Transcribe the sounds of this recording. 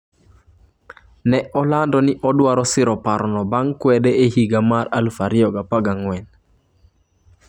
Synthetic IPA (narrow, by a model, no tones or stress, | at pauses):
nɛʔɔlandɔniʔɔdwaɾɔsɪɾɔpaɾɔnɔbaŋkwɛdɛehiɡamaɾalfaɾiɔɡapaɡaŋwɛn